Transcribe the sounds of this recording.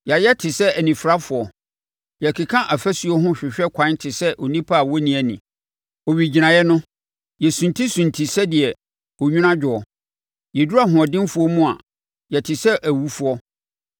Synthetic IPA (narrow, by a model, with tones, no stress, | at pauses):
ja˨jɛ˦tʰɪ˨sɛ˦æ˨nĩ˨fɾa˦fʊ˨ɔ˨ | jɛ˨kʰi˨kʰã˦ʔa˨fæ˦su˨ɔ˦ɦʊ̃˦ɕᶣɪ˨ɕᶣɛ˦kʷʰã˨˦ntʰɪ˨sɛ˦ʔɔ˨nĩ˦pʰa˦˨wɔ˦nĩ˨æ˨nḭ̃˨ | ɔ˨ɥi˨d͡ʑi˨nã˨jɛ˦nʊ̃˦ | jɛ˨sũ˨ntʰi˦sũ˨ntʰi˨sɛ˦dɪ˨ɛ˨ | o˨ɲᶣũ˦nã˦d͡ʑᶣʊ˨ɔ˨ | jɛ˨du˦a˦ɦʊ̃˨ɔ˨dɪ̃˦n˦fʊ˦ɔ˦mũ˦a̰˨ | jɛ˨tʰɪ˨sɛ˦ʔæ˨wu˨fu˦ɔ˦